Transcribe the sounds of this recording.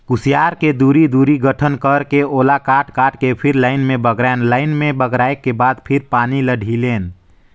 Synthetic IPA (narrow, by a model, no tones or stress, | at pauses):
kusijaɾked̪uɾid̪uɾiɡəʈʰənkəɾkeolakaʈkaʈkepʰiɾlaɪnmẽbəɡɾanlaɪnmẽbəɡɾaekːebad̪pʰiɾpaniləɖʱileːn